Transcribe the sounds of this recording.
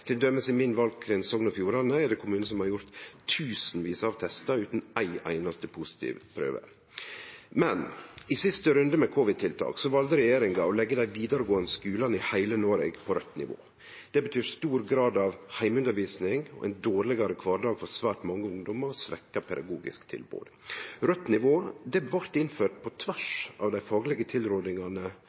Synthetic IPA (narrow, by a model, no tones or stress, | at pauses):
t̪ʰɛd̪œmːəsɪmɪnʋɑlɡ̚kʰɾɪnsɔŋnɔfjuːɾɑnəɛɖ̪ɛkʊmʉːnəsɔmhɑɾjʊɾt̪ʰːʉːsn̩ʋiːsɑːʋt̪ʰɛst̪ɑʉːt̪n̩æɪʔæ̰ɪnɑst̪əpʰʊsɪ̥t̪ʰḭːʋpʰɾø̰ːʋə̰ɾ | mɛnɪsɪst̪əɾʉnd̪əmɛkʰʊʋɪd̪̚t̪ʰɪlt̪ʰɑ̰ːksɔʋɑld̪əɾɛjeːɾɪŋɑɔlɛɡːəd̪æɪʋiːd̪əɾəɡoːɑnəskʉːlɑnɪhæɪlənɔːɾɛ̰ɡpʰɔɾœt̪ːnɪ̰ʋo̰ː | d̪̥ɛbət̪ʰyːɾst̪uːɾɡɾɑːd̪ɑʋhæɪmʉnd̪əɾʋiːsnɪŋɔ̰ʔɛ̰ɪnd̪oːɾlɪɡɑɾəkʰʋɑːɾɖɑːɡ̥fɔɾsʋæːʈmɑŋːəʊŋd̪ɔməɾɔsʋɛ̰kːɑpʰɛd̪ɑ̰ɡuːɡɪ̰skt̪ʰɪ̰lbo̰ːd̪ɾœt̪ːnɪʋoːd̪ɛʋɑɾt̪ɪnføːʈ̚pʰɔt̪ʰʋæʂɑ̰ʋd̪æɪfɑːɡəlɛɡət̪ʰɪlɾoːd̪nɪŋɑnə